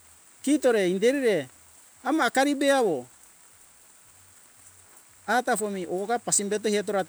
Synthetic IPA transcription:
kito̞ɾe̞indeɾiɾe̞ | amaːkaɾibe̞aβo̞ | atafomiʔokapasimbet̬ohiet̬oɾa

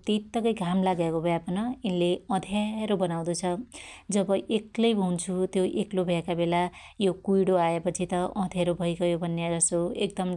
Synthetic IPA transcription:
t̪it̪ːʌkʌjɡʱamlaɡakobʱjapʌnʌinleʌ̃d̪ʱjaɾobʌnaw̃d̪ut͡sʰʌd͡zʌbʌʔeklʌjbʱʌunt͡sʰut̪joʔeklobʱjakabela | jokujɽoaepʌt͡sʰit̪ʌʔʌ̃d̪ʱjaɾobʱʌjɡʌjobʱʌnːad͡zʌsoek̚d̪ʌm

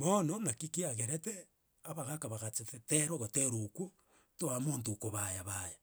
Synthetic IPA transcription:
mononakikiaɣeɾete | aβaɣakaβaɣat͡ʃeteteɾoɣoteɾoku | toamoːntokoβajaβaja

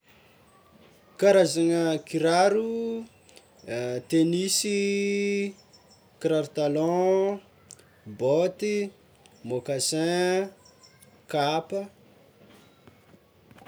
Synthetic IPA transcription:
kaɾazaŋəkiɾaɾu | t̪enisi | kiɾaɾt̪alɔ̃ | bot̪i | mokasɛ̃ | kapə

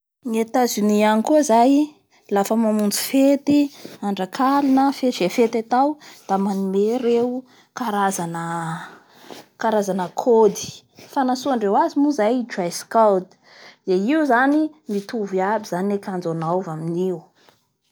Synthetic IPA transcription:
ŋet̪azinianikuzaj | lafəmamund͡zu̥fet̪iaɳɖ͡ʐakʰalunəfezefet̪at̪awd̪̥amanumeɾeu | kaɾazanə | kaɾazanəkʰod̪i̥ | fanasuaɳɖ͡ʐewazimuzajd͡ʒajskawt̪ | d̪̥eiuzanimit̪uviabizaniekand͡zonawvaminiwu

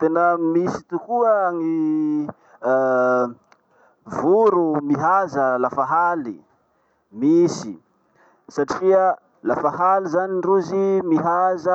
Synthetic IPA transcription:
t̪enəmisi̥t̪ukuaŋi | vuɾumiɦazəlafaɦali | misḭ | saʈ͡ʂiə | lafaɦalizaniɳruzimiɦazə

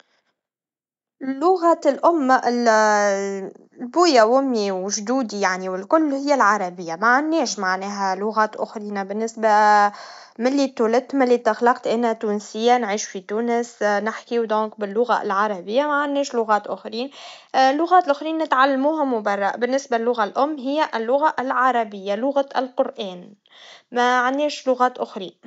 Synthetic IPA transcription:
lːʊɣalʔʊmːaʔɪl | lbuːjæwʊmːiwʒd̪uːd̪ijaʕniwɪlkʊlːhɪjːælʕɑɾˤɑbɪjːamaʕanːɛːʃmaʕnɛːɦælʊɣaːt̪ʔʊ̰xɾiːnabɪnːɪsba | mɪlːit̪ːulɪt̪ːmɪlːit̪axlɑqt̪ʔɪnhæt̪uːnsɪjːanʕiːʃu̥fit̪uːnəsnɪħkiwd̪õːk̚bɪlːʊɣa̰lʕɑɾˤɑbɪjːamaʕanːɛːʃlʊɣɑːt̪ʔʊxɾiːn | lːʊɣæːt̪lʔʊxɾiːnːɪt̪ʕalːmuːɦamʊbɑrˤːɑbɪnːɪsbalːʊɣalʔʊmːɦɪjːæʔɪlːʊɣaʔɪlʕɑɾˤɑbɪjːalʊɣaɪlqʊɾʔɛːn | mæʕanːɛːʃlʊɣaːt̪ʔʊxɾiː

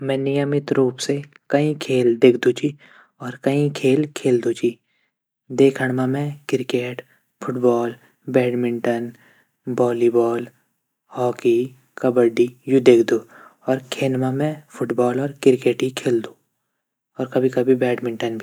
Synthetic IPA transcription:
mɛ̃ːnɪjəmɪt̪ɾuːpse | kɐĩkʰeːld̪eːkʰd̪ũt͡ʃi | ɔːɾkɐĩkʰeːlkʰeːld̪ũt͡ʃiː | d̪eːkʰəɽ̃mãmɛ̃kɪɾkeːʈ | fʰʊʈbɔːl | bɛːɖmɪ̃ɳʈən | bɔːlibɔːl | hɔːki | kɐbəɖijud̪eːkʰd̪uːɔːɾkʰeːlmãmɛ̃pʰʊʈbɔːlɔːɾkɪɾkeːʈɦikʰeːld̪ũː | ɔːɾkɐbʱikɐbʱibɛːɖmɪ̃ɳʈənbʱi

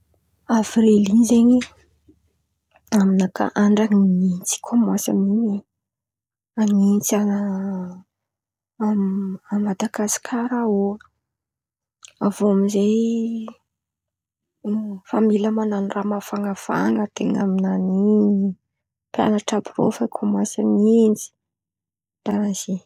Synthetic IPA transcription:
avɾilinzeɲi | aminaka̰ʔaɳɖ͡ʐanint͡si̥kʰomasa̰miɲe | anint͡sa | mammad̪aɡasi̥kʰaɾao | avoamizej | familəmananiramafaŋafa̰ŋət̪ḛŋa̰minanini | pja̰naʈ͡ʂabiro̰fakʰomwasanind͡ʒi̥ | d̪̥aɾaz̥i

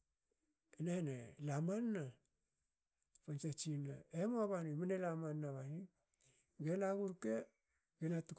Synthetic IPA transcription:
enenelamanːa | pant͡ʃet͡ʃinaemoaβanimanelamanːaβani | ɡenaɡuɾke | ɡenatuk

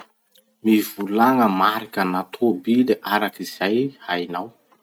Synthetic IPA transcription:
mivulaŋəmaɾikʲanat̪ʰobileʔaɾakiz̥ajhajnaw

